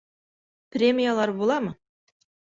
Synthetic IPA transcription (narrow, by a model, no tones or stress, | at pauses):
prʲemʲijalˠɑɾbolˠɑmə